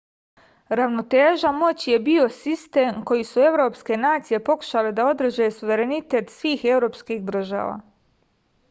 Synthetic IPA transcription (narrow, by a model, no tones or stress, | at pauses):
ɾaʋno̞t̪eːʒamo̞t͡ɕije̞bio̞sist̪eːmko̞jisue̞ʋɾo̞ːpske̞naːt̪sije̞po̞ku̥ʃale̞d̪ao̞d̪r̩ʒe̞suʋe̞ɾe̞nit̪e̞ːt̪sʋiːxe̞wɾo̞ːpskixd̪r̩ʒa̰ːʋa̰ː